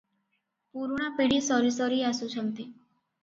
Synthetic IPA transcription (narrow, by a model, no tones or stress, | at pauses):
puɾuɽ̃apiɽisɔɾisɔɾiasut͡ʃʰənt̪i